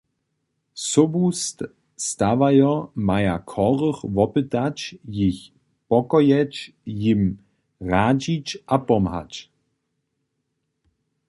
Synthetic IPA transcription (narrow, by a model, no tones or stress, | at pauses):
sɔbust̪ | st̪avajɔmajakʰɔʁəχvɔpɨt̪at͡ɕjix | pɔkɔjɛ | jim | ʁaːd͡ʑit͡ɕʔapɔmha̰t͡ɕ